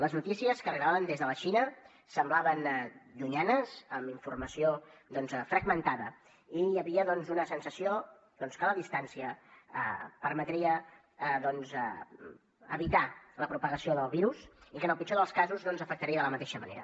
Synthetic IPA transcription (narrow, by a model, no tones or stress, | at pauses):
ləznut̪isiəskərɣlaβənd̪ezðələʃinə | səmblaβənd̪uɲanəzəmiɱfurməsiod̪ɔnzfɾəɡmənt̪aðə | iəβiəðɔnzunəsənsəsio | d̪ɔnskələðist̪ansiəə̰pəɾmət̪ɾiə | ðɔnz | ə̰βit̪aləpɾupəɣəsioðəlˠβiɾusikənəlˠpit͡ʃoðəlˠskazuzðɔnzəfək̚t̪əɾiəðələmət̪eʃəmə̰nḛɾə̰